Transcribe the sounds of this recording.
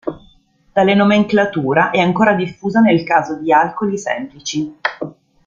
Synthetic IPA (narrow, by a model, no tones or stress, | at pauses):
d̪̥alenomeŋklat̪uːɾaʔɛaŋkoːɾad̪ifːuːzanelkaːzod̪ialkolisɛ̰mplit͡ʃi